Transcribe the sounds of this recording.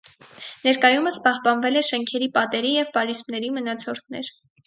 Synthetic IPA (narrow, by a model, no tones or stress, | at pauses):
nɛɾkɑjuməspɑhpɑnvɛlɛʃɛŋkʰɛɾipɑt̪ɛɾijɛvpɑɾizmnɛɾimənɑt͡sʰɔɾt̪ʰnɛɾ